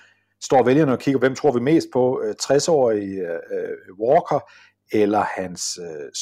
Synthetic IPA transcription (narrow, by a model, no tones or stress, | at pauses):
sd̥ɒ̰ːʋeljɐnəɒ̽kʰiɡɐpʰɒʋem̰t͡sʰʁo̝ɐʋime̝̰ːsd̥̚pʰɒ̽t͡sʰʁasɒ̰ːii | wɒːkʰɐ | elɐhæns